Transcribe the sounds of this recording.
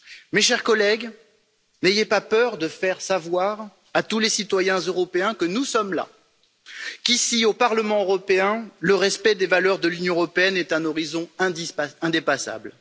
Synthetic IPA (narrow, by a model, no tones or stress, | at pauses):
meʃɛʁkɔlɛɡ | nejepapœʁd̪əfɛʁsavwaʁ | at̪ulesit̪wajɛ̃zøʁɔpeɛ̃kənusɔmla̰ | kisiopaʁləmɑ̃øʁɔpeɛ̃ləʁɛspɛd̪evalœʁd̪əlynjɔ̃ʁɔpeɛnɛt̪ɛ̃nɔʁizɔ̃ɛ̃d̪iɛ̃d̪epasa̰bl